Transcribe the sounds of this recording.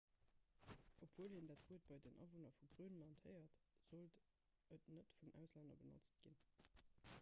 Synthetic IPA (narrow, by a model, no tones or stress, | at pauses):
ʔopv̥uəlhindaːtfuːət̚bɑɪdenʔɑ̰vonɐfuɡʁyːnəlɑnthəɪɐtz̥olt | ətnətfunʔæ̰ʊslændɐ̰bəno̰t͡st̚ɡ̥in